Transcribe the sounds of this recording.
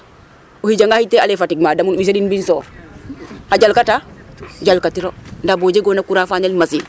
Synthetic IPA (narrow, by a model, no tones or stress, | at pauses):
ohiɟaŋɡahitːealefatiɡ̚maːdamunwisadinbinsoː | haɟalkataɟalkatiɾondaboːd͡ʒeɡoːnakuɾaːfaɲalmasiː